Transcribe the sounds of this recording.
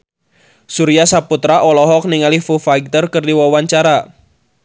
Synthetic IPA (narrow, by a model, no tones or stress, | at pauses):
suɾiasaput̪ɾaʔɔlɔɦɔk̚niŋalihfufaik̚t̪ərkɨrdiwawaɲt͡ʃaɾa